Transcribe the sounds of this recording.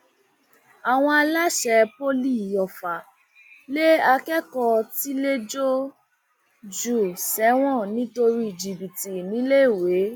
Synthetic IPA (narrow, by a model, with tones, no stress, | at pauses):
a˨w̃ɔ̃˧a˧la˦ʃɛ˧po˦li˦˨jɔ˨fa˨ | le˦a˧kɛ˦kɔ˧ti˦le˦d͡ʒo˦ | d͡ʒu˨sɛ˨˦w̃ɔ̃˦˨nĩ˨˦to˧ɾi˦i˦˨d͡ʒi˨bi˨ti˨nĩ˨˦le˦i˦˨we˨˦